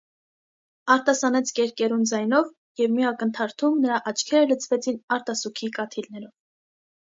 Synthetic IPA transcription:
ɑɾt̪ɑsɑnɛt͡sʰkɛɾkɛɾund͡zɑjnɔv | jɛvmiɑkənt̪ʰɑɾt̪ʰumnəɾɑʔɑt͡ʃʰkʰɛɾələt͡sʰvɛt͡sʰinɑɾt̪ɑsukʰikɑt̪ʰilnɛɾɔv̥

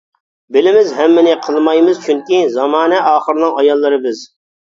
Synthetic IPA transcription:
bɪlɪmɪzɦɛmːɪnɪqʰəlˠmɑjmɨzt͡ʃʰyŋkʲizɑmɑːnɛʔɑːχəɾɨnɨŋɑjɑlˠːɨɾɨbɪz

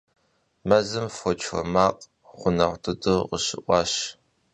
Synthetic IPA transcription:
mɐzɨmfɔt͡ʃʰɔ̰maːqʼ | ʁʷʊnɐʁʷtʰɨdɨqəɕɪʔʷɑːɕ

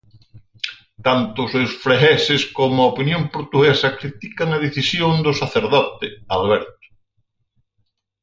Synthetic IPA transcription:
t̪ant̪ʊsesfɾeɣɛsɪskomʊɐopinjompoɾt̪uɣɛsɐkɾit̪ikɐŋɐðiθisjoŋd̪ʊsaθeɾðɔt̪ɪaðβɛɾt̪ʊ̥

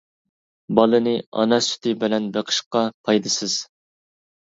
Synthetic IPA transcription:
bɑlˠɨnɨɑ̰nɛsy̥t̪ʰɪbɪlɛnbeqʰə̥ʃqɑpʰɑjd̪ɨsɨz̥

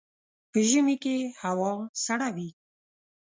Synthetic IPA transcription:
pəʒəmikehawɑnsaɽawi

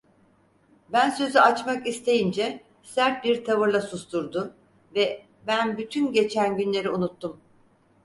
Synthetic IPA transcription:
bænsø̞zyat͡ʃmakist̪ʰe̞jind͡ʒɛ | sæɾt̪̚biɾt̪ʰavɯɾlˠasust̪uɾd̪ʊ | vɛ | bænbyt̪ʰynɟe̞t͡ʃʰænɟynlʲe̞ɾiunut̪ːum

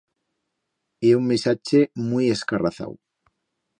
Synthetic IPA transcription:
ieuŋmisat͡ʃemujeskaraθa̰w

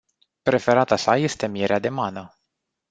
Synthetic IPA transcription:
pɾe̞fe̞ɾat̪asaje̞st̪e̞mijeɾead̪e̞manə

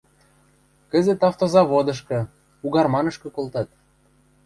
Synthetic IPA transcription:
kə̆zet̪ɑft̪ozɑβod̪ɤ̆ʃ̬kɤ̆ | uɣɑrmɑnɤ̆ʃkɤ̆kolˠt̪ɑt̪

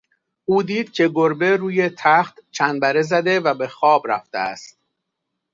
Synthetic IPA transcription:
ʔuːd̪iːd̪̥̚cʰe̞ɡoɾbe̞ɾuːje̞t̪ʰæxt̪t͡ʃʰænbæɾe̞zæd̪e̞væbe̞xɒːbɾæ̰ft̪ḛæ̰st̪̚

